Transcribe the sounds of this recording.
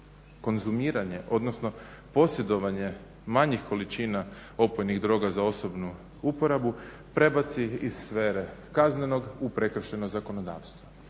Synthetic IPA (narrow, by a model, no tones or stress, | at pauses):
ko̞nzumiːɾaɲe̞ʔo̞d̪no̞sno̞ | po̞sje̞d̪o̞ʋaɲe̞ | maɲixko̞lit͡ʃiːnao̞pojniɣd̪ɾo̞ːɡazao̞so̞bnu | upo̞ɾabu | pɾe̞bat̪siizsfeːɾe̞kazne̞no̞ɡupɾe̞kr̩ʃe̞nozako̞no̞d̪a̰ːʋst̪ʋo